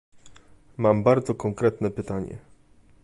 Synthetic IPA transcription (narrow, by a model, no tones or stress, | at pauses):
mambaɾd̪zɔkɔŋkɾɛt̪nɛpɘt̪aɲɛ̰